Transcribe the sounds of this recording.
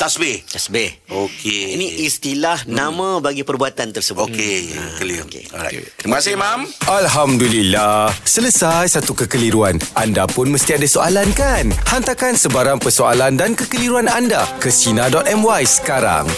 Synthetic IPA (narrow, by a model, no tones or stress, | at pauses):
t̪asbeht̪asbehokeinĩʔist̪ilahnãmãbaɡipərbuat̪ant̪ərsəbokekəlikḛa̰masimamʔalɦamdulilasələsajsat̪ukəkəliɾuanʔandapʊnməst̪iadasoalankanhant̪akansəbaɾaŋpərsoa̰landankəkəliɾuanandakəsinadɔt̪ɛmwajsə̥kaɾa̰ŋ